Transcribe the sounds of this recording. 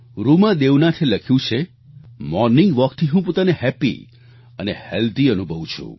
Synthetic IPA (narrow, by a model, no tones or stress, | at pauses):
ɾumãd̪ewnat̪ʰeləkʰjũt͡ʃʰe | mɔɾnɪŋɡʋəkt̪ʰiɦũpot̪anehɛpḭ | ənehɛld̪iənubʱəʋũt͡ʃʰṵ̃